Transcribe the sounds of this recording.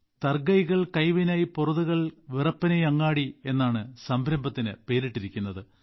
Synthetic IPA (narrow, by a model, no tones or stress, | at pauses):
t̪ɐrɡɐjɣɐɭkɐjʋinaːjiporɐðuɣɐɭʋirɐpːɐnejɐŋːaːɽie̞nːaːɳɨsɐmbʱɾɐmbɐt̪ːinɨpe̞ːɾiʈːiɾikʲːunːɐðɨ